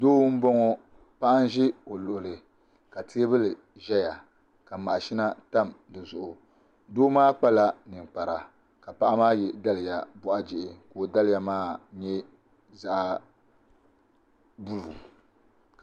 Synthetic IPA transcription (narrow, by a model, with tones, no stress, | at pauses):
doː˦wm̩˦bo˦ŋo˦ | pa˦ʔa˦n˦ʒɪ˦o˨lʊ˨ʔʊ˨lɨ˨ | ka˨tʰi˦bɨ˦lɨ˨ | ʒɛ˦ja˨ | ka˨ma˨ʔa˨ʃi˦na˦ta˦˨mdɨ˨zʊ˨ʔʊ˨ | doː˦maː˦k͡pa˦la˦nɨ˨ŋ˨k͡pa˨ɾa˨ | ka˨pa˦ʔa˦maː˦jɛ˨da˦lɨ˨ja˨bɔ˦˨ʔa˦d͡ʒɪ˨ʔɪ˨koː˨da˦lɨ˦˨ja˦maː˦ɲɛ˦ | za˨ʔ | bu˦lu˨